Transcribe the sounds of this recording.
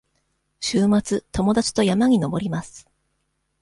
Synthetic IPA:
ɕɨːmat͡sɨt̪o̞mo̞d̪at͡ɕi̥t̪o̞jamaɲ̟ino̞bo̞ɾʲimasɨ̥

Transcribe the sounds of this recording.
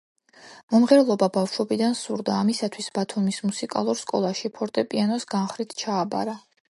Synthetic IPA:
mɔmʁɛɾlˠɔbabafʃɔbid̪ansuɾd̪aːmisat̪ʰwisb̥at̪ʰumismusikʼa̰lˠuɾskʼɔ̰lˠaʃipʰɔɾt̪ʼɛpʼianɔsɡanχɾit̪ʰt͡ʃʰaːba̰ɾa

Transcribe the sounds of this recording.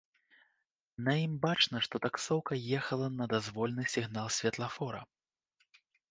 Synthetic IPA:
nɐjimbat͡ʂnɐʂt̪ɔt̪aksɔwkɐjɛxɐlˠɐnɐd̪azvɔlʲnɨsʲiɣnalˠsʲvʲɛt̪lˠɐfɔɾɐ̰

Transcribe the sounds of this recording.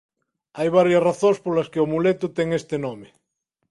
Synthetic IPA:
ajβ̞aɾjasraθõŋspolaskeomulet̪ut̪eŋest̪enome

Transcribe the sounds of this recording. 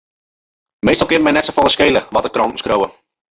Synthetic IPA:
mejstɔlˠkɪvəmɛjnɛtsofɔləskejləʋɔtəkrɔntn̩skrowə

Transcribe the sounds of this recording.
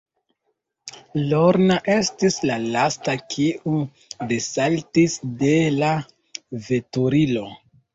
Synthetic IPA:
loɾnaʔe̞stislalastakʰiu | de̞saltisde̞la | ve̞tuɾilo̞

